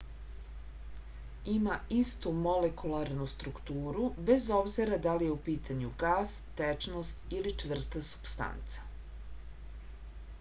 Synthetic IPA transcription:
imaist̪umo̞lekulˠaɾnust̪ɾukt̪uːɾube̞zobziɾad̪alijeupiːt̪ʰaɲuɡaːst̪et͡ʂnost̪ilit͡ʂʋr̩st̪asu̥bst̪a̰nt̪sḁ

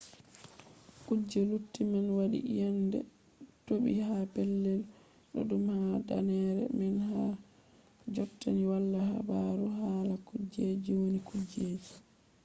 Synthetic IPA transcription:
kud͡ʒːɛlutːimɛnwaɗḭjandɛ̰ | toɓḭhapɛlːɛl | ɗɔ̰ɗumhada̰nɛɾɛ̰mɛnha | d͡ʒɔtːaniwalːaha̰baɾuɦaːlakud͡ʒːed͡ʒiwonikud͡ʒːeːd͡ʒi

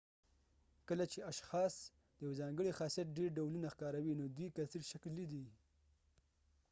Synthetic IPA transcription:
kəlat͡ʃeaʃxɑs | d̪̥əjawzɑŋɡəɽixɑsijat̪̚ɖeɾɖawlunaxkɑɾawinod̪wijkasiɽʃakllːid̪i

